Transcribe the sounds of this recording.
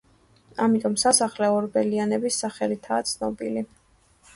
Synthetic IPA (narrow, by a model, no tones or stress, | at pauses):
amit̪ʼɔmsasaχlɛɔɾbɛlianɛbisːaχɛlit̪ʰaːt̪sʰnɔbili